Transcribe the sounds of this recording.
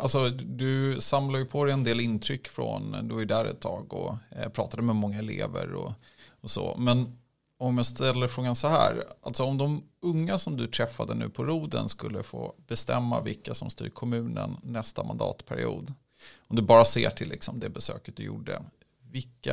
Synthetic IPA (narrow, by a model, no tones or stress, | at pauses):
alt̪sɔd̪ɵsamlaɾjɵpʰɔd̪ɛjɛnd̪eːlɪnt̪ʰɾʏkːfɾɔnd̪ɵvaɾjɵd̪æːɾɛ̰t̪ʰːɑːɡɔpʰɾɑːt̪ad̪əmɛmɔŋːaɛleːvəɾɔ | ɔso̰ːmɛn | ɔmjast̪ɛlːəɾfɾoːɡansɔhæːɾalt̪sɔɔmd̪ɔmɵŋːasɔmd̪ɵt̪ʰɾɛfːad̪ənʉ̟ːpʰɔɾuːd̪ənskɵlːəfoːb̥ɛst̪ɛmːavɪlkːasɔmst̪y̰ːɾkʰɔmʉ̟ːnənːɛst̪ama̰nd̪ɑ̰ːt̪pʰæɾɪ̰ṵːd̪ | ɔmd̪ɵbɑːɾaseːʈʰɪlːɪksɔmd̪ɛbɛsøːkət̪̚d̪ɵjṵɖːə̰ | vɪkːa